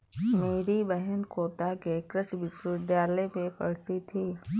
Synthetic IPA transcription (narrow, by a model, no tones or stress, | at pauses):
meːɾibɛɦənkoːt̪akekɾəsbɪt͡ʃɾɪd̪ʱjaːlemẽpɐ̰ɽ̤t̪it̪ʰiː